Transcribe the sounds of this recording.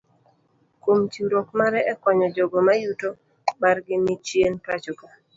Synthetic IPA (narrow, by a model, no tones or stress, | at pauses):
komt͡ʃuɾokmaɾɛɛkɔɲɔd͡ʒoɡomajuto | marɡɪnɪt͡ʃjentat͡ʃɔka